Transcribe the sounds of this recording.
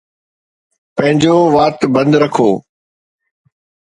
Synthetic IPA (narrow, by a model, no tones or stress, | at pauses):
pɐ̃ɦɪ̃ɲd͡ʑoːʋaːt̪bɐ̃nd̪ɾɐkʰoː